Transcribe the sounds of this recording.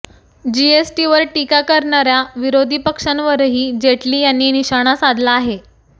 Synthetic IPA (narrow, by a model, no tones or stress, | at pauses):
d͡ʑiesʈiʋəɾʈikakəɾɳaɾjaʋiɾod̪ʱiːpəkʂanʋəɾɦiːd͡ʑeʈliːjanːiːniɕaɽ̃asad̪ʱlaːɦe